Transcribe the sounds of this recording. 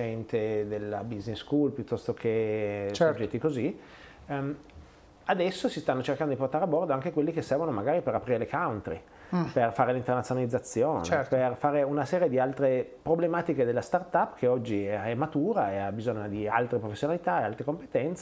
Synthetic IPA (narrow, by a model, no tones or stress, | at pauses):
ɛnt̪ed̪elːa̰bizneskulpjut̪ːɔst̪okʰet͡ʃd͡ʒɛt̪ːikozi | ad̪ɛsːosist̪anːot͡ʃerkand̪od̪iport̪aɾeabɔrd̪oaŋk̟ekwelːikesːɛrvonomaɡaːɾipeɾapɾiːɾelekawnt̪ɾḭ | perfaːɾelint̪ernat̪ːjonalid̪zːat̪sːjoːneɛperfaːɾeunasɛːɾjed̪ialt̪ɾepɾoblemaːt̪iked̪elːast̪art̪apːkʰeɔd͡ʒːiɛmːat̪uːɾaeabizoɲːod̪ialt̪ɾepɾofesːjonalit̪aealt̪ɾekompe̥t̪ɛnt̪s